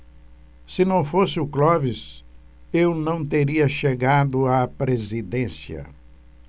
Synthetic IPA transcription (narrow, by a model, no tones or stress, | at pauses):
sɪnɐ̃w̃fosɪʊklɔvɪs | ewnɐ̃w̃t̪eɾiɐʃeɡad̪ʊapɾezid̪ẽsjɐ̰